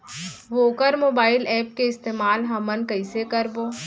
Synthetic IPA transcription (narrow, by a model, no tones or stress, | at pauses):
ʋoːkəɾmoːbaːɪlɛːp̚keɪst̪eːmaːlɦɐmənkɐɪsekɐɾboː